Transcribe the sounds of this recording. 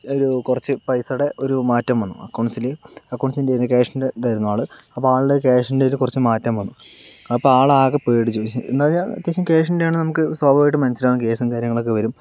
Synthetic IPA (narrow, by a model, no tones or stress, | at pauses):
oɾukurɐt͡ɕːɨpɐjsɐɽe̞ʔoɾumaːtːɐmʋɐnːuɐ̰kːoːɳsileɐkːoːɳsindenːɨk̬eːʂɐndet̪ɐjɾunːuʋaːɭɨɐpːoaːɭuɽekeːʂɐndelukurɐt͡ɕːɨmaːtːɐmʋɐnːu | ɐpːoaːɭaːɣɐpeːɽit͡ɕːuḛnd̪aːɲaːɐ̰t̪jɐːɕɐmkeːʂɐndejaːɳɨnɐmukːɨswoːbɐʋajʈːɨmɐnɐsilaːnːɐke̞ːsɨmkaːɾjɐŋːɐɭokːeʋɐɾum